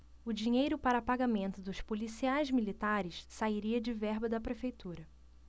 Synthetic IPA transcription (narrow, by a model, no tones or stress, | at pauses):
ʊd͡ʒiɲejɾʊpaɾɐːpaɡamẽnt̪ʊd̪ʊʃpolisiajzmilit̪aɾɪʃsaiɾiɐd͡ʒɪvɛɦbɐd̪ɐpɾefejt̪uɾɐ